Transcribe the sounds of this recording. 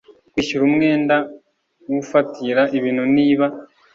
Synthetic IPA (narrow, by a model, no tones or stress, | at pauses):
kwiːʃuɾumŋe̞ːnda | wufatiɾaʔiβiːn̤uniːβa